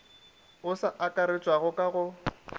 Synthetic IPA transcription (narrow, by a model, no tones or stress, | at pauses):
ʊsaʔakʼaɾɪt͡ʃʼwaɣʊkʼaɣʊ